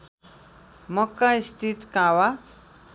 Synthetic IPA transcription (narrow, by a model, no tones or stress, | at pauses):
mʌkːãist̪ʰit̪kãwa